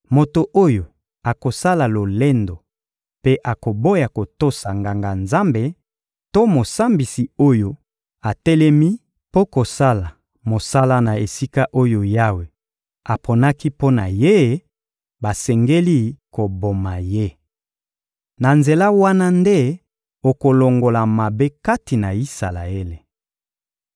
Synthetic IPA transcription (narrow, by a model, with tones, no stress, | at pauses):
mo˨to˨ʔo˦jo˨ | a˨ko˨sa˦la˨lo˨le˦ndo˨ | pe˦ʔa˨ko˨bo˦ja˨ko˨to˦sa˨ŋɡa˨ŋɡa˨nza˦mbe˦ | to˦mo˨sa˦mbi˨si˨o˦jo˦ | a˨tɛ˦lɛ˦mi˦ | po˦ko˨sa˦la˨ | mo˨sa˦la˦na˨e˨si˦ka˦ʔo˦jo˨ja˦we˨ | a˨pʰo˨na˦ki˦po˦na˨je˦ | ba˨sɛ˨ŋɡe˦li˦ko˨bo˨ma˨je˦ | na˨nze˨la˦wa˦na˦nde˦ | o˨ko˨lo˨ŋɡo˨la˨ma˨be˦ka˦ti˨na˨i˦sa˨la̰˨e˦le˨